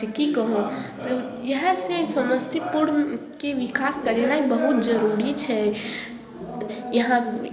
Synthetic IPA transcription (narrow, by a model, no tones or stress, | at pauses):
ekikəɦõt̪ɔ | jəɦsesəməst̪ʰipuɽkeʋikaskəɾelaibəɦut̪̚d͡ʒəɾuɾit͡ʃʰɛ | jəɦã